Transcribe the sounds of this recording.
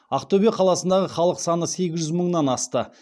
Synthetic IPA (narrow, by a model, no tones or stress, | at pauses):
aqt̪obijɑqʰɑlˠɑsənd̪ɑʁəχɑlˠəqsɑnəse̞ɡʲɪzʒʏzməɴnɑnɑst̪ə